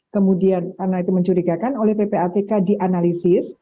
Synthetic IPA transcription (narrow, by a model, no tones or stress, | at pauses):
kəmudiankarnait̪uməɲt͡ʃuɾikakanolɛhpepeat̪ekadiʔanalisɪs